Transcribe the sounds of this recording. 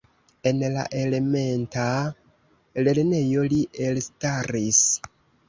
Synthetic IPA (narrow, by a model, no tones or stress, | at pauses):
e̞nla̰ʔe̞le̞me̞nta | le̞ɾne̞jo̞liʔe̞lstaɾis